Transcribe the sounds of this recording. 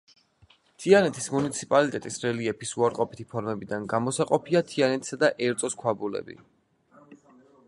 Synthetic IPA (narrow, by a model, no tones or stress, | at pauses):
t̪ʰianɛt̪ʰismunit̪sʰi̥pʼalit̪ʼɛt̪ʼisɾɛliɛpisuaɾqʼɔpi̥t̪ʰipʰɔɾmɛbid̪anɡamɔsaqʼɔpʰiat̪ʰianɛt̪ʰsad̪aʔɛɾt̪sʼɔskʰwabulɛ̰bḭ